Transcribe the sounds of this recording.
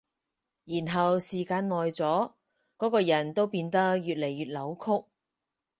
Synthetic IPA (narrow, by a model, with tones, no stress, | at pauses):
jiː˨˩nɦɐ˨wsiː˨˩kaː˧nŋɔː˨jt͡sɔː˨˥ | kɔː˨˥kɔː˧jɐ˨˩nt̪o˥wpiː˧nt̪ɐ˥k̚jyː˨t̚le˨˩jːyː˨t̚lɐ˨˥wkʰʊ˥k̚